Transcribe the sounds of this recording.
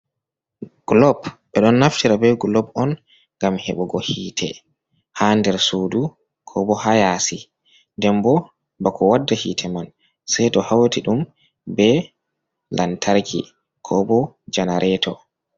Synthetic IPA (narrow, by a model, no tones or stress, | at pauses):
ɡ̥lɔbɓɛɗɔnːaftiɾabɛɡulɔbɔn | ŋɡamhɛɓɔɡɔhiːtʰɛ | handɛɾsuːdu | kʰɔbɔhajasi | ndɛmbɔ | bakʰɔwadːahiːtʰɛman | sajtɔhawatiɗum | bɛ | lantʰaɾkʰḭ | kʰɔbɔd͡ʒanaɾʔɛtʰɔ